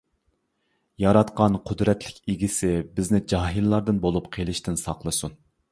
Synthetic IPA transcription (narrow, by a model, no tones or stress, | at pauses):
jɑɾɑt̪qɑnqʰʊd̪ɾɛt̪ʰlɪkʲeɡʲisɪbɪznɪd͡ʒɑɦilːˠɑɾd̪ɨnbolˠupqʰelˠɪʃt̪ʰɪnsɑqlˠɨsun